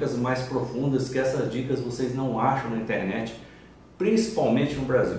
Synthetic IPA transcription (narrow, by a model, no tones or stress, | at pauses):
kɐzmajspɾofũnd̪ɐskɪɛsɐzd͡ʒikɐzvoseznɐ̃w̃aʃɐ̃w̃nɐĩnt̪eɾnɛt͡ʃɪ̥ | pɾĩsi̥pawmẽnt͡ʃɪnʊbɾazi